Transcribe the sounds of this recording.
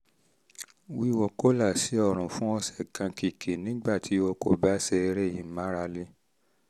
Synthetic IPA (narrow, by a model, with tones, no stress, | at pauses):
wi˦wɔ˨ko˦la˦˨si˨˦ɔ˧˨ɾ̃ũ˨fũ˦ɔ˧sɛ˦˨kã˧ki˧kʰe˨nĩ˨˦ɡ͡ba˦˨tʰi˨˦o˧ko˦˨ba˦sɛ˧e˧ɾe˦˨jĩ˨˦mã˨˦ɾa˧le˧˦